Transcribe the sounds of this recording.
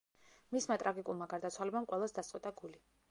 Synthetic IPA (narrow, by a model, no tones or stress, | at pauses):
mismat̪ʼɾaɡikʼulˠmaɡaɾd̪at̪sʰwalɛbamqʼwɛlˠasd̪ast̪sʼwit̪ʼaɡuli